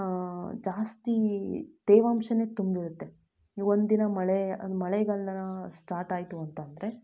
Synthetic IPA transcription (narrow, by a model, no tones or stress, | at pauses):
d͡ʒaːst̪id̪̥eːʋaːmʃɐne̞ːt̪umbdiɾut̪ːe | ond̪d̪inɐmɐɭeɐmɐɭɛɡɐɭnɐnɐsʈaːɾʈaːjt̪uɐnt̪ɐnd̪ɐɾe̞